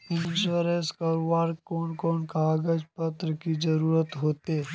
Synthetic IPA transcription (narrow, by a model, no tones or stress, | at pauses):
ɪ̃nt͡ʃoɾeskɐɾoʋaːɾkɔːnkɔːnkaːɡəd͡ʒpət̪ɾəkid͡ʒəɾuːɾət̪ɦoːt̪eː